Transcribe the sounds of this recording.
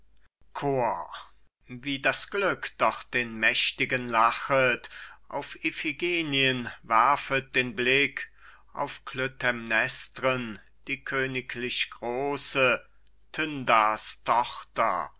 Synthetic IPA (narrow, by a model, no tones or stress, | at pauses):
kʰoːɐ | viːdasɡ̥lʏkd̥ɔχd̥eːnmɛʃtɪɡənlaχətʔa̰ʊfefiɡeːniənvaɐfət̚d̥eːnblɪk | ʔa̰ʊfkʰløtʰɛmnɛstʁən | d̥iːkʰøːnɪklɪçɡ̥ʁoːsə | tʰʏndastʰɔχtɐ̰